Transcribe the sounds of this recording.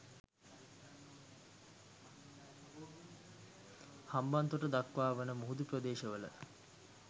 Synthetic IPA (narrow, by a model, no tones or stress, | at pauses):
hambant̪uʈəd̪akʋaːʋənəmuɦud̪uprəd̪eːʃəʋələ̰